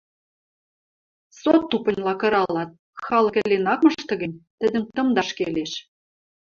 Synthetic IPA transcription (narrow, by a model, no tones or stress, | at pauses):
sot̪ːupə̆nʲlɑkɤ̆ɾɑlɑt̪̚ | xɑlɤ̆kə̆lenɑkmə̆ʃt̪ɤ̆ɣə̆nʲt̪ə̆d̪ə̆nt̪ɤ̆md̪ɑʃkeleʃ